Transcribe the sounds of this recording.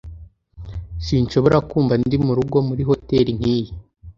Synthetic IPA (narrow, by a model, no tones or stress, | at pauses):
siːnt͡ʃo̞βoɾakuːmvandimuɾuɡo̞muɾiɦo̞te̞ɾin̥hiːji